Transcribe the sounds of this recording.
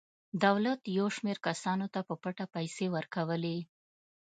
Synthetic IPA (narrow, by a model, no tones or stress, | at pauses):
d̪awlat̪jawʃmeɾkasɑnot̪apəpaʈapajsewəɾkawəle